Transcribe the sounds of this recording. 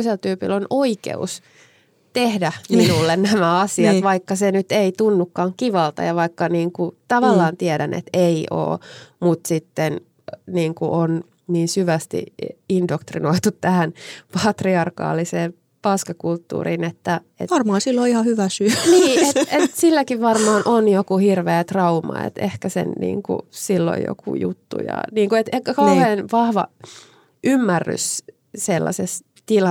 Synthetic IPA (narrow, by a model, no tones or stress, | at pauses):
selt̪yːpḭlːonoikḛṵs | t̪ehdæminulːennæmæɑsiɑʋɑikːɑsenyt̪eit̪unːukːɑːŋkiʋɑlt̪ɑ̰jɑʋɑikːɑniːŋkut̪ɑʋɑlːɑːnt̪iɛdænʔḛt̪eio̰ːmut̪sit̪ːen | niːŋkṵʔon | niːnsyʋæst̪ḭindokt̪rinoit̪ut̪ːæhænpɑt̪riɑrkɑ̰ːliseːm | pɑskɑkult̪ːṵːrinet̪ːæ | ḛtʋɑrmɑːnsilːoihɑhyʋæsyæniːet̪ʔet̪silːækiʋʋɑrmɑːnʔonjokuhirʋeːt̪rɑumɑ̰ḛt̪ḛhkæsḛnnḭːŋkṵsilːo̰jo̰kṵjṵt̪ːṵjɑ̰niːŋkuet̪ehkækɑuheːnʋɑhʋɑ̰ | ʔymːærːy̰s | selːɑ̰ses | t̪ilɑ